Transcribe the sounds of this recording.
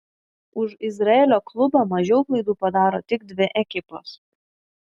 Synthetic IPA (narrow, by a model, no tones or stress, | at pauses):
ʊʃɪzɾɐeːlʲoːklˠʊbɐmɐʒʲɛʊplˠɐɪd̪uːpɐd̪ɑːɾoːt̪ʲɪɡd̪ʲʋʲɪʔɛkʲɪpoːs